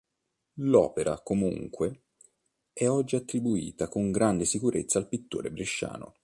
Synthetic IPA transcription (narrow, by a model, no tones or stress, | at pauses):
lɔ̰ːpeɾʔa̰komṵŋkwe | ɛɔd͡ʒːiat̪ːɾibuḭːt̪akoŋɡɾand̪esikuɾʔḛt̪sːaːlpit̪ːo̰ːɾebɾiʃːa̰ːno̰